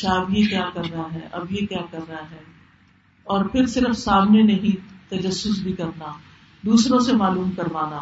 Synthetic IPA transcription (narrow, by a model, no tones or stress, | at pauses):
ʃabjekjaːkɐɾːɐɦaɦɛ̰ʔɐ̰bjekjaːkɐɾːɐɦaɦɛː | ɔːɾpʰɪɾsɪɾəfsaːmnenɐɦĩt̪ɐd͡ʒɐsːʊs̬bʱikɐɾnaː | d̪uːsɾõsemaːluːmkɐɾʋaːnaː